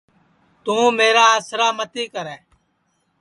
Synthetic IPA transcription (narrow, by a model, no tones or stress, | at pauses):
t̪ũːmeːɾaːəsɾaːmət̪iːkəɾɛː